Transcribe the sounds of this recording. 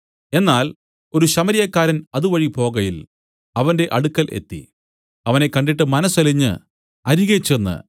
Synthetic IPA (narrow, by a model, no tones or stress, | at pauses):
e̞nːaːl | o̞ɾuɕɐmɐɾijɐkːaːɾɐnɐðuʋɐɻipo̞ːɣɐjil | ɐʋɐnde̞ʔɐɽukːɐlʔe̞̰t̪ːḭ | ɐʋɐne̞kːɐɳɖiʈːɨmɐnɐsɐliɲːɨ̰ | ɐɾiɣɐt͡ɕːenːɨ̰